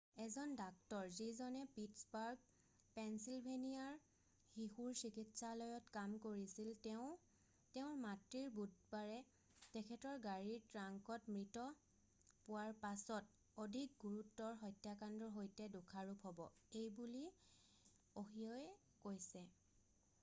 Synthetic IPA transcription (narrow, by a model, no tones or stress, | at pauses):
ɛzɔndak̚tɔɹzizɔnɛpitsbaɹɡ̚ | pɛnsilbʱenijaɹ | hihuɹsikitsalɔjɔtkamkoɹisiltɛʊ̃ | tɛʊ̃ɹmatɹiɹbud̚baɹɛ | tɛkʰɛtɔɹɡaɹiɹtɹaŋkɔtmɹitɔ | pʊwaɹpasɔt̚ | odʱik̚ɡuɹutːɔɹɦɔjtjakandɹɔɦojtɛdukʰaɹupʰɦɔbɔ̰ejbuli | oɦijɔɛ | kojsɛ